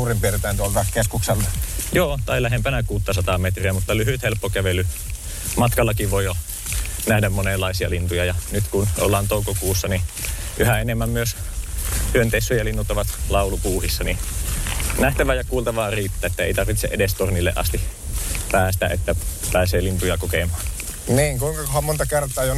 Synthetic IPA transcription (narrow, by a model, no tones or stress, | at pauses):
uːrimpert̪æːˑnt̪uolt̪ɑkeskukselːɑjoːt̪ɑilæɦempænækuːt̪ːɑsɑt̪ɑmet̪riæmut̪ːɑlyhyt̪helpːokæʋelːy | mɑt̪kɑlːɑkiʋʋoio | næhdæmmonelːɑisiɑlint̪ujɑjɑnyt̪kuno̰lːɑːnt̪oukokuːsːɑniʔyhæenemːæmmyøs | hyønt̪esːojɑlinːut̪ːɑʋɑt̪lɑˑulupuːhisːɑni | næht̪æʋæjɑkuːlt̪ɑʋɑːriːt̪ːæːet̪ːæḛit̪ɑrʋit̪sḛʔedest̪ornilːḛʔɑ̰st̪ipæːst̪æ̰ʔḛt̪ːæpæːseːlint̪ujɑkokemˑɑːnniːŋkuiŋkɑkohɑmont̪ɑkert̪ˑɑːjo